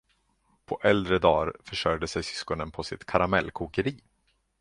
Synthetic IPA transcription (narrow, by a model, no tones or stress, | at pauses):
pʰɔʔɛld̪ɾəd̪ɑːɾfœʂœɾd̪əsɛjsʏ̥skɔnənpʰɔsɪ̰t̪kʰaɾamɛlːkʰuːkəɾiː